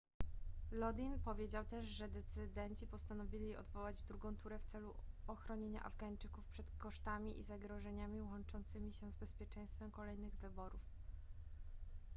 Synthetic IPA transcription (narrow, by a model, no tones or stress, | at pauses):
lɔd̪inpɔvʲjed͡ʑawt̪ɛʂʐɛd̪ɛt̪sɘd̪ɛnt͡ɕipɔst̪anɔvʲilʲieɔ̰d̪vɔwad͡ʑd̪ɾuɡɔ̃w̃t̪uɾɛft̪sɛluɔxɾɔɲeɲa̰ʔa̰vɡaɲt͡ʂɘkufpʂɛt̪kɔʂt̪amʲiʔizaɡɾɔʐɛɲamʲiwɔnt͡ʂɔnt̪sɘmʲiɕɛzbɛspʲjɛt͡ʂɛ̃j̃st̪fɛmkɔlɛjnɘɣvɘbɔɾuf